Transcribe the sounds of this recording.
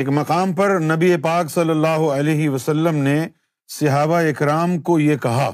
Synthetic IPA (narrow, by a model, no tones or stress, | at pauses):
eːkmɐqaːmpɐɾnɐbiepaːksɐlːəlːaːɦoɐleːɦiʋɐsɐlːəmne | sɪɦaːbaɪkɾaːmkojekɐɦaː